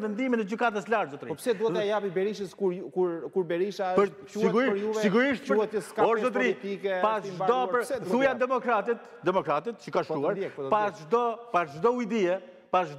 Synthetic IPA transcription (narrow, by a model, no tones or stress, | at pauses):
vɛnd̪imɛnɛd͡ʑykat̪̬əslaɾt̪zɔt̪ɾipsɛd̪uɛɛjapibɛɾiʃəskuɾkuɾkuɾbɛɾiʃaə | siɡuiʃusiɡuɾiʃt̪əuɛəskɔɾzɔt̪ɾit̪ikɛpasʒd̪ɔpəɾt̪ujand̪ɛmɔkɾat̪it̪ | d̪ɛmɔkɾat̪it̪t͡ʃəkaʃt̪uaɾpaʒd̪ɔpasʒd̪ɔuid̪iɛ | paʒd̪